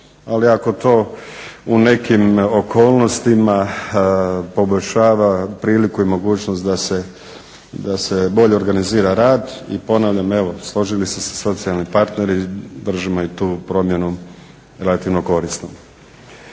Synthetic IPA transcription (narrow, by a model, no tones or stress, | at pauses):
aliako̞t̪o̞ːune̞kimokoːlˠno̞st̪ima | po̞boʎʲʃaːʋapɾiːlikuimo̞ɡuːt͡ɕnost̪d̪ase | d̪ase̞bo̞ʎe̞o̞ɾɡaniziːɾaɾaːd̪ḭpo̞naːʋʎame̞ʋo̞slˠo̞ʒilisese̥so̞t̪sialˠnipaɾt̪ne̞ɾid̪r̩ʒimoit̪uːpɾo̞mje̞nu | ɾelat̪iʋnoko̞ɾisnom